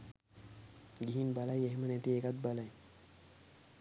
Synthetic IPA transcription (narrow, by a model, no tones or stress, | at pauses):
ɡiɦinbalajeɦmənet̪iekat̪̚balaj